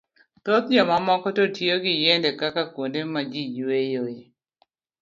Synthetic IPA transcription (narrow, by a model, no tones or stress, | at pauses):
t̪ɔt̪̚d͡ʒɔmamɔkɔtotʰjoɡɪjɛndɛkakakwondemad͡ʒid͡ʒwejoe